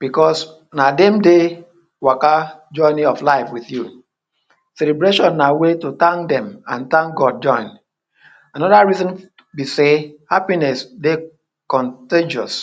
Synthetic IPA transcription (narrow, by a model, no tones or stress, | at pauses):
b̥ikɔs | nadɛ̃mde | wakad͡ʒɔ̃ɪniɔflaɪfwiθju | sɛlebɾeʃɔ̃nːawetutãŋdɛ̃mã̰ntãŋkɡɔd̚d͡ʒɔ̃ɪ̃n | anɔdaɹizɔ̃n | bisehapinɛsde | kɔ̃nted͡ʒɔs